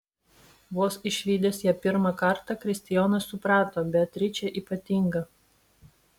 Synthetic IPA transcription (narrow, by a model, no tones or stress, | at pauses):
ʋoːsɪʃʲʋʲiːd̪ʲeːsjɛːpʲɪɾmɑkɐɾt̪ɑkɾʲɪsʲt̪ʲɪjoːnɐsːʊpɾɑːt̪oːbʲɛt̪ʲːɾʲɪt͡ʃʲɛʔiːpɐt̪ʲɪŋɡɐ